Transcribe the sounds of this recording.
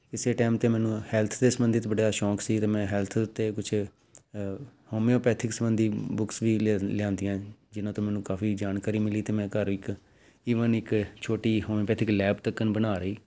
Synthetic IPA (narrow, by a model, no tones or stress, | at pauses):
kɪseːʈɛːmt̪eːmɛ̃ːnũːhɛːlt̪ʰd̪eːsəmbənd̪ɪt̪bəɽjaːʃɔːksiːt̪eːmɛ̃ːɦɛlt̪ʰt̪eːkʊt͡ʃʰ | hoːmeːoːpɛːt̪ʰɪksəmənd̪iːbʊksʋiːlɪjãːnd̪ijãːd͡ʒɪnãːt̪õːmɛ̃ːnũːkaːfiːd͡ʒaːnkaːɾiːmɪliːt̪eːmɛ̃ːkəɾɪk | iːʋənɪkt͡ʃʰoːʈiːɦoːmẽːpɛːt̪ʰɪklɛːbt̪əkːənbənaːɾəiː